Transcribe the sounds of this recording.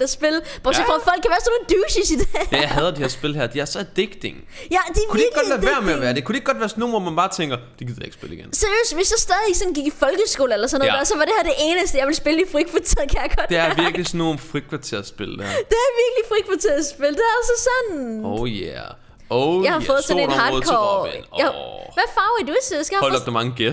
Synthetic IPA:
æsb̥e̝lb̥osfʁɑfɒl̰kʰːæʋæːɐsɔnod̥uːɕisid̥ejɑhɛð̞ˠd̥ihæɐsb̥e̝lɦæɐd̥iæɐsɒ̽æd̥eɡ̥d̥eŋ | jæd̥ekʰudeɐɡɡɒiʋæɐæɐmeæʋæːɐd̥e̝kʰud̥eɡ̥ɒ̽d̥ʋæːɐsɔnomɒmænb̥ɑ̈ːt͡sʰeŋɡ̥ɐd̥e̥ɡ̥iðˠj̰ɑe̝ɡ̥sb̥e̝liɡ̥enseɐjø̰ːsʋesjɑsd̥ɛːð̞ˠi̥sɒ̽nɡ̥iɡ̥ifɒ̽lɡ̥əsɡ̥o̝̰ːl̩elɐsɔnːðˠæɐsɒ̽ʋɑ̈ɾehæɐd̥e̝ʔe̝ːnəsd̥əjɑ̈ʋe̝lsb̥e̝lə̥ifʁikʰʋɑ̈t͡sʰiɐkʰæjɑɡ̥ɒ̽d̥d̥eæɐɐʋiɐɡ̥lisnːonfʁi̥kʰʋɑ̈t͡sʰiɐ̰ɐsb̥e̝ləd̥æ̰ɐd̥e̝æɐʋiɐɡ̥lifʁikʰʋɑ̈t͡sʰeɐ̰sb̥e̝ləd̥eæɐɒsəsɒ̽noʊjæ | ojɑ̈ɪhɑɔːð̞̩ˠsɔnenɦɑːd̩ˠkʰɒ | ʋæfɑ̈ʊæduesesɡ̥æhɔllɒb̥̚d̥emɑ̈ŋəɡ̥e

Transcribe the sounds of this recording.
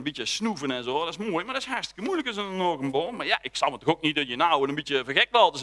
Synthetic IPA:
nbitjəsnuvənɛnzoːdɪsmoəjmardɪsharstə̥kəmujləkəsənənoːkəmboːmajaʔɪksamətɔxok̚nit̚dɔtjənawənənbitjəfərxɛk̚ʋɔlˠdəs

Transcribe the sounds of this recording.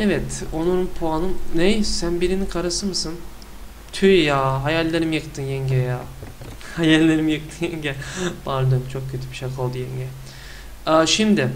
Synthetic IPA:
evɛt̪onuɾnpʰoanɯmnejsænbiɾinikʰaɾɯsɯmɯsɯn | t̪ʰyjaɦajalʲːeɾimjɯkt̪ʰɯnjɛɲɟɛja | hajalʲːeɾimjɯk̚t̪ʰɯnjɛɲɟɛb̥aɾd̪ɯmt͡ʃʰo̞k̚cʰøt̪ʰybiʃakʰˠolˠd̪ujɛɲɟɛ | aʃimd̪ɪ

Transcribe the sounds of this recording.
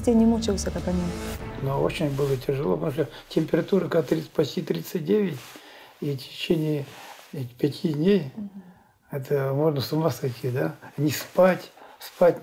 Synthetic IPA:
tʲenʲɪmut͡ɕɪlˠsʲəkakɐnʲimnoo̰t͡ɕɪnʲbɨlˠətʲɪʐɨlˠopt̪ɐmuʂt̪otʲɪmʲpʲɪɾɐt̪uɾəkat̪ɾʲipɐsʲtʲit̪ɾʲit̪sɨt̚ʲdʲeʋʲɪtʲitʲɪ̥t͡ɕenʲɪjə | pʲɪtʲʰidʲnʲej | ɛt̪əmo̞ʐnəsʊmasɐjtʲid̪anʲɪspatʲspatʲ

